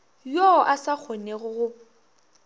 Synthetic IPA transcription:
joʔasak͡xʰoneɣʊɣʊ

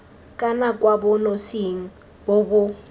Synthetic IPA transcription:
kʼanakʼwabʊnosiŋ̩ | bobʊ

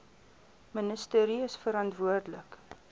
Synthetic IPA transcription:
mənəstəːɾiəsfəɾɐntvuərdlək

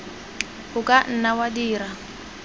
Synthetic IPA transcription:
ʊkʼan̩nawadiːra

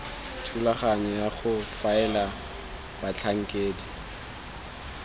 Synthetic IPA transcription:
tʰulaχaɲɛjaχʊfaɛla | b̥at͡ɬʰaŋ̩kʼeːdi

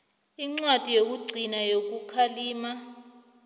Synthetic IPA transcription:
iŋ͡ǀwad̥ʱʼijok̬uɡ͡ǀʱinajok̬ukʰaliːma

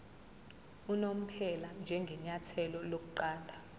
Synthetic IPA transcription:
unom̩pʰɛland͡ʒʱɛŋɡʱɛɲatʰɛlɔlok̬uǃaːndʱa

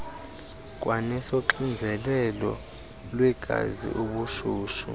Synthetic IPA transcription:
k̬ʼwanɛsoǃind͡zʱɛlɛlɔ | lwɛɡ̥ʱa̰zḭʔuɓuʃuːʃṵ

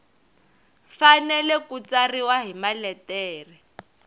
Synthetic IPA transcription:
fanɛlɛkut͡sariwaɦimalɛtɛːri

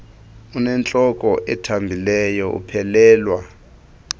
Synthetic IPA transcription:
unɛnt͡ɬʼɔkʼɔʔɛtʰambʱilɛjɔṵpʰɛlɛːlwa

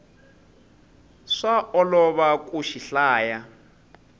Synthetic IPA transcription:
ʂaʔɔlɔβakʼuʃiɬaːja

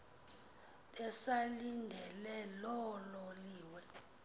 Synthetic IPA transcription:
ɛsaliŋdʱɛlɛlɔlɔliːwɛ

